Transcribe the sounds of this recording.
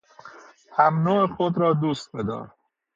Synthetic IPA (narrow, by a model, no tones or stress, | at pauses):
hæmnoːexod̪ɾɒːd̪uːst̪̚bed̪ɒ̰ːɾ